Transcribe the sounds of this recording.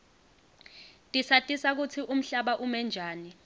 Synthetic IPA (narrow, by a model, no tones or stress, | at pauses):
tʼisatʼisak̬ut͡sʰiʔum̩ɬaɓaʔumɛnd͡ʒʱaːni